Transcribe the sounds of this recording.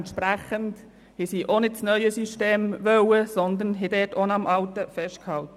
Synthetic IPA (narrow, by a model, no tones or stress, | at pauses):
nt̪ʃpɾæχənd | hisiːʔonɪt̚t͡snœʏəsiʃteːmʋœwəsɔnd̪ənɦɛdɛːtonɑmʔɑltəfɛʃt̚khɑltə